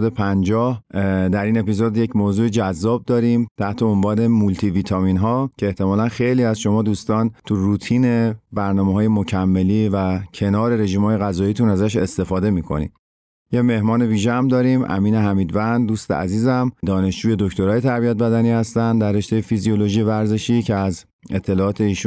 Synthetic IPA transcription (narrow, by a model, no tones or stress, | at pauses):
d̪epʰænd͡ʒɒːhd̪æɾiːne̞pizod̪je̞cmoːzuːed͡ʒæzːɒːb̚d̪ɒːɾiːmt̪ʰæʔt̪ʰe̞ombɒːne̞mult̪ʰiviːt̪ʰɒmiːnɦɒːcʰeeːht̪e̞mɒːlænxe̞jliːæzʃo̞mɒːd̪uːst̪ɒːnt̪ʰurut̪ʰiːne̞bæɾnɒːmeɦɒːje̞mo̞cʰæmːeliːvæcʰe̞nɒːɾe̞ɾe̞ʒiːmhɒːjeɣæzɒːiːt̪ʰunæzæʃe̞st̪e̞fɒːd̪e̞miːkʰo̞̰nḭm | jeme̞hmɒːne̞viːʒeæmd̪ɒːɾimʔæ̰miːneɦæmiːd̪vænd̪d̪uːst̪ḛæ̰ziːzæmd̪ɒːne̞ʃd͡ʒuːje̞d̪o̞ct̪o̞ɾɒːje̞t̪ʰæɾbiæt̪̚bæd̪æniːhæst̪ænd̪ærːe̞ʃt̪e̞jefizijo̞lo̞ʒiːevæɾze̞ʃiːcʰeæz | e̞t̪ʰːe̞lɒːt̪ʰe̞iːʃu